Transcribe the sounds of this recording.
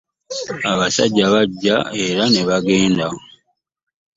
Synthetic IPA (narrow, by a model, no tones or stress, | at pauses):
aβasa̰ɟːaβaɟːae̞ɾaneβaɡe̞ːndao